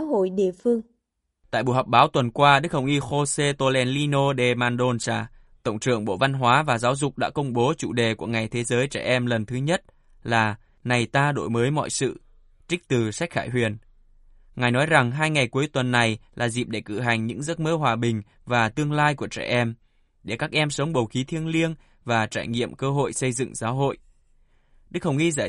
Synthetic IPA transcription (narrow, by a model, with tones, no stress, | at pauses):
ɦo̰˧˨jɗḭ˧˨əfɨ˧əŋ | t̪a̰ː˧˨jɓṵ˧˨ɦɔ˨˩k͡p̚ɓaː˨˦wt̪wə˨˩nkwaː˧ɗɨ˦˥k̚hə˧˩wʔi˧xo˧se˧t̪o˧lɛ˧nli˧no˧ɗe˧˩maː˧nɗo˧nsaː˧˩ | t̪ə̰˧˨wŋ͡mt͡ɕɨ̰˧˨əŋɓo̰˧˨va˧nɦwaː˨˦vaː˨˩zaː˨˦wzʊ˨˩k͡p̚ɗa̰ː˧˥kə˧wŋ͡mɓo˨˦t͡ɕṵ˧˩ɗe˨˩ku˧˩əŋa˨˩jt̪ʰe˨˦zəː˨˦jt͡ɕɛ̰ː˧˩ʔɛ˧mlə˨˩nt̪ʰɨ˨˦ɲə˦˥t̚ | laː˨˩ | na˨˩jt̪aː˧ɗo̰˧˩jməː˨˦jmɔ̰˧˨jsɨ̰˧˨ | t͡ɕï˦˥t̪ɨ˨˩sa˦˥k̟̚xaː˧˩jɦwi˨˩ən | ŋaː˨˩jnɔ˨˦jza˨˩ŋɦaː˧jŋa˨˩jku˨˦əjt̪wə˨˩nːa˨˩jlaː˨˩zḭ˨˩p̚ɗe˧˩kɨ̰˧˨ɦa˨˩jŋ̟ɲɨ̰˧˥ŋzə˦˥t̚məː˧waː˨˩ɓï˨˩ŋ̟ | vaː˨˩t̪ɨ˧əŋlaː˧jku˧˩ət͡ɕɛ̰ː˧˩ʔɛ˧m | ɗe˧˩kaː˦˥k̚ʔɛ˧msə˨˦wŋ͡mɓə˨˩wxi˨˦t̪ʰi˧əŋli˧ən | vaː˨˩t͡ɕaː˧˩jŋḭ˧˨əmkəː˧ɦo̰˧˨jsə˧jzɨ̰˧˨ŋzaː˨˦wɦo̰˧˨jʔ | ɗɨ˦˥k̚hə˨˩wŋ͡mʔi˧zaː˧˨